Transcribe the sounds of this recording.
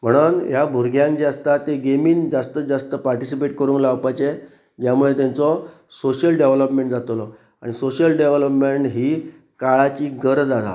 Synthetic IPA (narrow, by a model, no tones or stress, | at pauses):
m̤əɽ̃unɦjabʱuɾɡjãnd͡ʑeəst̪at̪ːeɡemiːnd͡zast̪əd͡zast̪əpaɾʈisipeʈkəɾuːnlaʋpat͡ɕe | d͡ʑjamuɭet̪̬jant͡sɔ | soɕəlɖeʋləpmẽɳʈd͡zat̪lɔ | aɽ̃isoɕəlɖeʋləpmeɳʈɦiː | kaɭat͡ɕiːɡəɾd͡zat̪a̰